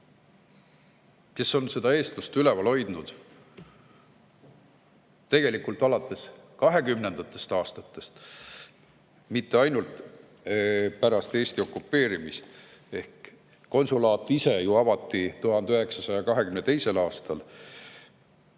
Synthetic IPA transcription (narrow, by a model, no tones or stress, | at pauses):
ke̞so̞nse̞d̪̥ɑe̞ːst̪lust̪ylevɑlo̞jd̪̥nud̪̥ | t̪e̞ɡ̥e̞likult̪ˑɑlɑt̪ːˑe̞skɑɦe̞kymne̞nd̪̥ɑt̪ːˑe̞st̪ɑːst̪ɑt̪ːˑe̞st̪ | mit̪ːeɑjnult̪ | pæɾɑst̪e̞ːsʲt̪io̞kːˑupːˑe̞ːɾimist̪ | e̞hk | ko̞nsulɑːt̪ːˑise̞juɑvɑt̪ːit̪uɦɑnøɦe̞ksɑsɑjɑkɑɦe̞kymnet̪ejse̞lɑːst̪ɑl